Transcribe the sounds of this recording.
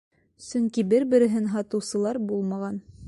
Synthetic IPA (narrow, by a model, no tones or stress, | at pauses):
sɵŋkibɘɾbɘ̆ɾɘ̆ɦɘnɦɑt̪ɤ̆wsɤ̆lˠɑɾbulˠmɑʁɑn